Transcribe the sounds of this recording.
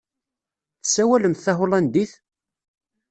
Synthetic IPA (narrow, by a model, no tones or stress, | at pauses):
θə̥sːæwæləmθθːæɦʊlˤænd̪iθ